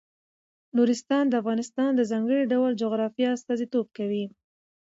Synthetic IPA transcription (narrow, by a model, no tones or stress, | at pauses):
nuɾɪst̪ɑnd̪əafɣɑnɪst̪ɑnd̪əzɑŋɡəɽiɖawəld͡ʒʊɣɾɑfjɑast̪ɑzit̪ob̚kawi